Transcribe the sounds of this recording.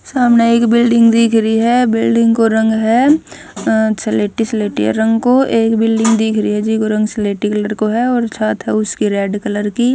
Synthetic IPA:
saːmneeːkbɪlɖɪ̃ŋɡd̪iːkʰɾəiɦɛbɪlɖɪ̃ŋɡkoɾɐ̃ŋɡɦɛ | ɐtːseleːʈisleːʈḭɦɛ̰ɾɐ̃ŋɡkoeːkbɪlɖɪ̃ŋɡd̪iːkʰɾəɦiɦɛd͡ʒikoɾɐ̃ŋɡsɪleːʈikɐləɾkoɦɛɔːɾsaːt̪ɦɛʊskiɾɛːɖkɐləɾkiː

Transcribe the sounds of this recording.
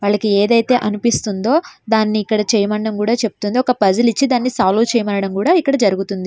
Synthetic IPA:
ʋaːɭːɐkieːd̪ɐjt̪e̞ːʔɐnupist̪und̪o̞ːd̪aːnːiːkːɐɽɐt͡ʃɛːjɐmɐɳɖɐmkuːɽaːt͡ʃe̞pu̥t̪und̪iɔkɐpɐd͡ʒulit͡ʃːid̪aːnːisaːluːt͡ʃɛːjɐmɐːɾɐɽɐmkuːɽaːikːɐɽɐd͡ʒɐɾuɡut̪und̪i

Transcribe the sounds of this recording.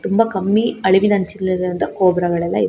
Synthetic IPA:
t̪ʊmbɐkɐmːiɐɭɪʋinɐɲt͡ʃɪlɪɾɯnd̪ɐkoːbɪɾɐɣɐɭɛlːã̰ːɪ

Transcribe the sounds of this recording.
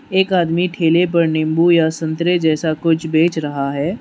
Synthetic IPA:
eːkaːd̪miʈʰeːlep̬ɐɾnɪ̃mbujasɐ̃nt̪ɾed͡ʒɛːsakʊt͡ʃʰbeːt͡ʃɾɐɦaɦɛː

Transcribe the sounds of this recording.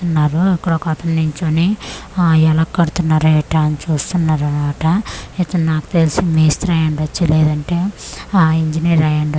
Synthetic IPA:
unːaːɾuikːuɽɐkɐt̪ɐnːiɲt͡ʃoːni | ɛlɐkːɐɽut̪unːaːɾeʈanit͡ʃuːst̪unːaːɾɐnmaːʈɐet̪ːɐnnaːku̥t̪elisimeːst̪ɾɐjɐɳɖɐt͡ʃːileːd̪ɐɳʈe̞ː | iɲd͡ʒiniɾɐjɐɳɖ

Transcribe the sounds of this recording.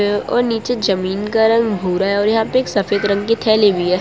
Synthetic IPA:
ẽɔ̰ːɾniːt͡ʃed͡ʒɐmiːnkaɾɐ̃ŋɡbʱuːɾaɦɛɔːɾjɐɦãːpeeːksɐfeːd̪ɾɐ̃ŋɡkit̪ʰɛːlebʱiɦɛː

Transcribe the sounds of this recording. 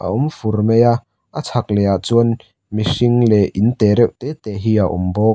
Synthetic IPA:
ʔa̰ʔumfurmeja | ʔat͡sʰak̚lɛjat͡suən | misiŋlɛʔint̪ɛːɾɛwʔt̪ɛːt̪ɛːɦiːaʔṵmbɔː

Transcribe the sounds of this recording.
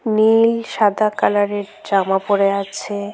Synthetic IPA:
nilʃad̪ʱakalaɾeɾdɾamapoɾeat͡ɕʰe

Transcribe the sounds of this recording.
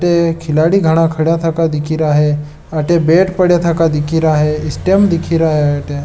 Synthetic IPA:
ʈekʰɪlaːɽiɡʱɐɽ̃akʰɐɽjat̪ʰakad̪ɪkʰiɾaɦe | aʈebeːʈpəɽjat̪ʰakad̪ikʰiɾaɦeɪsʈemd̪ɪkʰiɾaɦeaʈe

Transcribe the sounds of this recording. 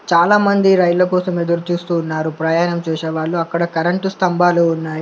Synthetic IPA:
t͡ʃaːlaːmɐnd̪iɾɐjlɐkɔːsɐmed̪uɾut͡ʃuːst̪uːnːaːɾupɾɐːjaːnɐmt͡ʃuːseːʋaːɭːuɐkːɐɽɐkɐɾɐɳʈust̪ɐmbʱaːloːunːaːji

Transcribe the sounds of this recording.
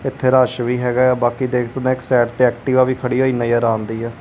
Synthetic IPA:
ɪt̪ʰːeːɾaːʃʋiːɦɛːɡaːaːbaːkiːd̪eːkʰd̪əd̪ãːɪksɛːʈt̪eːɛːk̚ʈiːʋaːʋiːkʰəɽiːɦoːiːnəjəɾãːnd̪iːɛː

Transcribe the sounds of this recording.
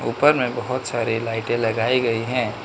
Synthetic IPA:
uːpəɾmẽbɐɦʊt̪saːɾilaɪʈẽlɐɡaːiɡɐiɦɛ̃ː

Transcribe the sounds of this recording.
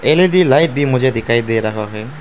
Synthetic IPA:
eled̪ilajt̪̚bimod͡ʑed̪ikajd̪eeɾakʰaɦɔe

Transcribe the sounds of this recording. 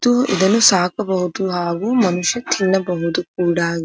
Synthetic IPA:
t̪uʔḭd̪ɐnusaːkɐbɐɦut̪uɦaːɡuːmɐnuʃjɐt̪ʰinːɐbɐɦud̪uk̚uːɽaːɡ

